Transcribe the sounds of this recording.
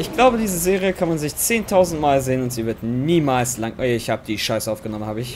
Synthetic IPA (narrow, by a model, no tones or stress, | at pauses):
ʔɪçɡ̥laʊbədiːzəzeːʁiəkʰanmanzɪçt͡seːntʰaʊzn̩tmaːlzeːənʊntz̥iːvɪɐtniːmaːlslaŋʔɛɪçhaːbəd̥iːʃaɪsʔaʊfɡ̥ənɔmənhaːbəɪç